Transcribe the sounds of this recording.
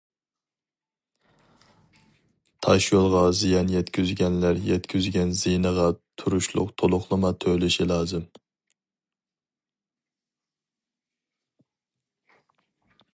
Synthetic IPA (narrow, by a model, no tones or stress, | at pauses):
t̪ʰɑʃjolˠʁɑzijɑnjɛt̪kʲyzɡʲɛnlæɾjɛt̪kʲʰyzɡʲɛnzinəʁɑt̪ʰuɾuʃlˠʊ̰qt̪ʰolˠʊχlˠɨmɑt̪ʰølɪʃilˠɑːzɨm